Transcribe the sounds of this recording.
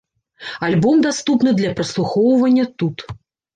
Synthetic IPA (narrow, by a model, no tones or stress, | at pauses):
alʲbɔmd̪ast̪upn̪ɨd̪lʲɐpɾɐslˠuxɔwvɐnʲːɐt̪ut̪